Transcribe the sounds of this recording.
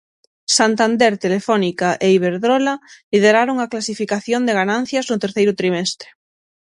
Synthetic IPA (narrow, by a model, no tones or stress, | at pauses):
sant̪and̪eɾt̪elefɔnikaʔeiβeɾðɾɔlalið̞eɾaɾoŋaklasifikaθjond̪eɣanãn̟θjɐznʊt̪eɾθejɾʊt̪ɾimɛst̪ɾɪ̥